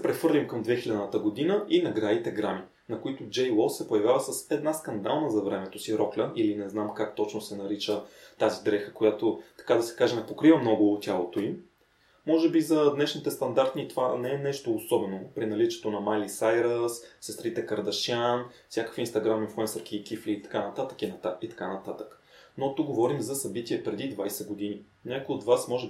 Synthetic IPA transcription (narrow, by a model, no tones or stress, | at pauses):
ɛpɾɛfɤɾlʲimkəmd̪vɛxilʲad̪nət̪əɡod̪inəinɐɡɾait̪ɛɡɾami | nɐkoit̪ʊd͡ʒɛjlˠɔssɛpojɐvʲjavəsɐsɛd̪naskɐnd̪alˠnəzɐvɾɛmɛt̪osiɾɔklʲəʔilinɛznamkak̚t̪ɔt͡ʃnosɛnɐɾit͡ʃət̪azid̪ɾɛxə̥kojat̪ot̪ɐ̥kad̪ɐsɛ̥kaʒɛnɛpokɾivəmnɔɡʊt̪ʲjalˠot̪oim | mɔʒɛbizɐd̪nɛʃnit̪ɛst̪ɐnd̪aɾt̪nʲit̪ovanɛɛnɛʃt̪oːsɔbɛnopɾinɐlit͡ʃɛ̥t̪onɐmajlisajɾəssəst̪ɾit̪ɛkəɾd̪ɐʃʲanfsʲjakəkfinst̪ɐɡɾaminfluɛnsəɾkʲiːkʲifliːt̪ɐ̥kanɐt̪at̪ə̥kinɐt̪ait̪ɐ̥kanɐt̪at̪ə̥knot̪uɡɡovɔɾimzɐsɐbit̪iɛpɾɛd̪id̪vajsɛɡod̪ini | nɲʲakojod̪vasmɔʒɛ